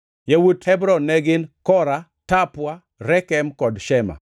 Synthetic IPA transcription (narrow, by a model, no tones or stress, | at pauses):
jawuthɛbɾɔnːɛɡɪnkɔɾa | tapwa | ɾɛkɛmkɔdʃɛma̰